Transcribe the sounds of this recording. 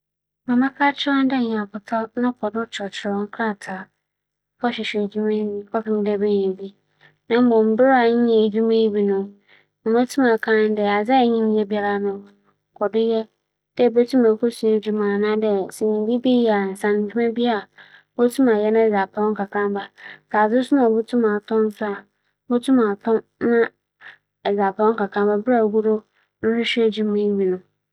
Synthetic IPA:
mã˨mã˦kʰa˦t͡ɕʰɪ˦ã˦n˦dɛ˦˨ɲ˨a˨bʊ˨tʰɔ˦nʊ̃˦kʰɔ˨dʊ˦t͡ʃʰɔ˨t͡ɕʰɪ˨ɾɔ˦ŋ̩˦kʰɾa˦˨tʰa˨ | kʰɔ˦ɕᶣɪ˨ɕᶣɛ˨d͡ʑi˦mẽ˦kʰɔ˦pɪ̃˦n˦dɛ˦be˦ɲĩ˨bi˦ | nã˦m˦bɔ̃˨m̩˨bɪ˦ɾa˨ɲɪ̃˦ɛ̃˨d͡ʑᶣu˦mẽ˦i˦bi˦nʊ̃˦ | mã˨mɛ˦tʰu˦ma˨kʰã˦n˦dɛ˨a˨d͡zɛ˦˨ɲĩ˦n˦jɛ˦bi˦a˨ɾa˨nʊ̃˨ | kʰɔ˨dɪ˦jɛ˦ | d̥ɛ˦˨bɛ˦tʰu˦mã˨kʰo˦su˦e˦d͡ʑu˦mã˨nã˦dɛ˨si˨ɲĩ˨˦bi˦bi˦ja˨n̩˨sã˨n̩˨d͡ʒᶣi˦mɛ̃˦bi˦a˨˦ | bo˦tʰũ˦ma˨jɛ˦nã˦ɛ˨d͡za˨pʰa˨ɔ̃˦ŋ̩˦kʰa˨kʰã˦m˦ba˨saː˨zɪ˦sʊ˦nã˨bʊ˦tʰũ˦mã˨tʰɔ̃˦n̩˦sʊ˦a˨˦ | bo˦tʰũ˦ma˨tʰɔ̃˦n | nã˦ | ɛ˨d͡za˨pʰa˨ɔ̃˦ŋ̩˦ka˨kʰã˦mba˦bɾa˦˨ɡu˦ɾo˦ | ñ̩˦ɾʊ˦ɕe˦d͡ʑu˦mẽ˦i˦bi˨nʊ̃˨

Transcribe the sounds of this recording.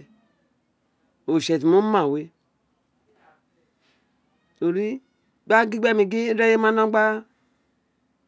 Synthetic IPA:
o˨ʃe˨ti˨mu˦ma˨we˦ | o˨ɾi˦ | ɡ͡ba˦ɡi˦ɡ͡be˦˨mi˨ɡi˦ɾe˦je˦ma˦no˦ɡ͡ba˦

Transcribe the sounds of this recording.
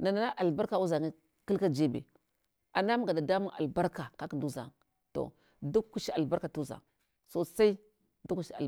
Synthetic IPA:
na˨na˨na˦ʔa˨lba˦ɾka˨u˦za˨ŋa˦ | ki˦lka˦d͡ʒe˦bḛ˨ | a˨na˦m˦ɡa˨da˨da˦mu˦ŋa̰˨lba˦ɾka˨ka˦ki˨ndu˦za̰˨ŋ | to̰˨ | du˦u˦ʃi˦a˨lba˦ɾka˨tu˦za̰˨ŋ | so˦sa˦i˦ | du˦ku˦ʃi˦a̰˨

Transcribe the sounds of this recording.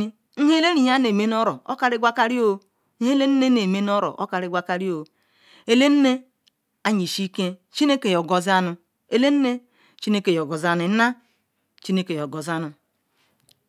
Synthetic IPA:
i˦ | ŋ̩˦he˦le˦ɾi˨ja˦ne˨me˦n˦o˦ɾo˨o̰˦ka˦ɾi˦ɡʷa˦ka˦ɾi˦o˦ | ŋ̩˦he˦le˦n̩˦ne˦ne˨me˦n˦o˦ɾo̰˨ʔo˦ka˨ɾi˦ɡʷa˦ka˦ɾi˦o˨ | e˨le˦n̩˦ne˦ | a˨ɲi˨ʃi˦ke˦ | t͡ʃi˦ne˦ke˨jo˨ɡo˨za˦nu˨ | e˨le˦n̩˦ne˦ | t͡ʃi˦ne˦ke˨jo˨ɡo˨za˨nu˨˦na˦ | t͡ʃi˦ne˦ke˨jo˨ɡo˨za˦nu˨

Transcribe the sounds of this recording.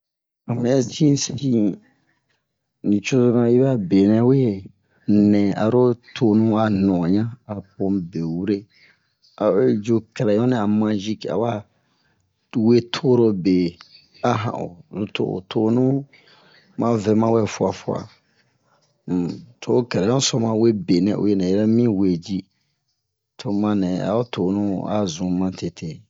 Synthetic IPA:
a˨mɛ̃˦ɛ˦t͡ʃĩ˦si˦ | nĩ˨t͡ʃo˦zo˦nã˨i˦ba˦be˨nɛ̃˦we˦˨ | nɛ̃˨a̰˨ɾo˦tʰo˨nũ˦a˨nɔ̃˨ɲã˦a˨po˨mbe˨wu˦ɾe˦ | a̰˨we˦d͡ʒo˦kɛ˨ɾɛ˨˦ɔ̃˦nɛ̃˦a˨mã˧ʒi˦ka̰˨wa˦ | we˦tʰo˦ɾo˧be˨ | a˦ɦã̰˨ʔo̰˨lu˦tʰo̰˦˨o̰˨tʰo˦nũ˦ | mã˦vɛ˦mã˦wɛ˦fu˦a˨fu˦a̰˨ | m̩˨tʰo˦o˦kɛ˨ɾɛ˨jɔ̃˦sɔ˦mã˨we˦be˨nɛ̃˨ʔo̰˨˦je˨nɛ̃˨ɛ˦ɾɛ˦mĩ˦we˨d͡ʒi˦ | tʰo˧mã˦nɛ̃˨a̰˨o˦tʰo˨nũ˦a̰˨zũ˨mã˦tʰe˨tʰe˨

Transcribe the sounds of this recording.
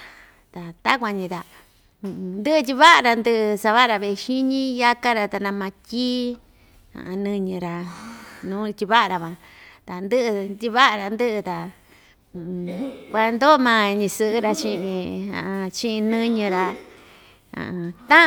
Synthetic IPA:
t̪a˨t̪a˦kʷa˧ɲĩ˧t̪ã˧ | nd̪ɨ˦ʔɨ˧t̪̬ʲi˧βa˦ʔa˧ɾa˧nd̪ɨ˧ʔɨ˧sa˧βa˦ɾa˧βe˧ʃi˦ɲĩ˦ja˦ka˦ɾa˧t̪a˧nã˧mã˧tʲiː˦ | ã̰˨a˧nɨ̃˧ɲɨ̃˧ɾa˧nũː˦˧t̪ʲi˧βa˦ʔa˧ɾa˧βã˧t̪a˨nd̪ɨ˦ʔɨ˧t̪ʲi˧βa˦ʔa˧ɾa˧nd̪ɨ˦ʔɨ˧t̪ã˧˨˧ | kʷa˧nd̪o˦˧mã˧ɲĩ˧sɨ˧ʔɨ˦ɾa˧t͡ʃĩ˧ĩ˧ã̰˨ʔã˧t͡ʃĩ˦ʔĩ˧nɨ̃˦ɲɨ̃˧ɾa˧ | a̰˨ã˧t̪ã˦

